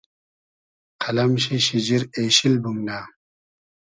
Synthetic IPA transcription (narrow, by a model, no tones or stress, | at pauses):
qʰɐlɐmɕiɕid͡ʑiɾeːɕilbumnaː